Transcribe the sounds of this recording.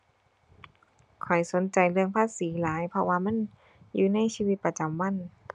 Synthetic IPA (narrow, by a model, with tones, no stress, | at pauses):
kʰɔ˨˩jso˨˦nt͡ɕa˨jlɯ˧əŋpʰaː˧˥˨siː˨˦laː˨˦jpʰɔ˧waː˧ma˧˥˨n | juː˧na˧˥˨jsiː˧wi˧t̪̚pa˧t͡ɕa˨˦mwa˧˥˨n